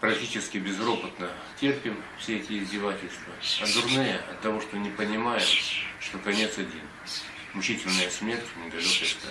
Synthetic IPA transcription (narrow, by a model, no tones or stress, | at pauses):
pɾɐk̚tʲit͡ɕɪskʲɪbʲɪzɾo̞pət̪nə | tʲerpʲɪmfsʲeɛtʲɪɪzʲdʲɪvatʲɪlʲst̪vəɐd̪ʊrnɨjəɐt̪ːɐvo̞ʂt̪onʲɪpənʲɪmajɪmʂt̪o̞kɐnʲe̞t̪sɐdʲin | mʊt͡ɕitʲɪlʲnəjəsmʲe̞rtʲnʲɪd̪ɐlʲokəjt̪ɐ̰